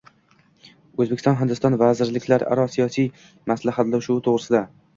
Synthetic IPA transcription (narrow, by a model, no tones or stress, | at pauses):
ɵzbekʲɪ̥sɒnɦɪnd̪ɪst̪ɒnvazɪɾlɪkʲʰlaɾa̰ɾɒsijɒsij | maslaɦat̪lawʃuɪt̪ʰoʁɾɪsɪd̪a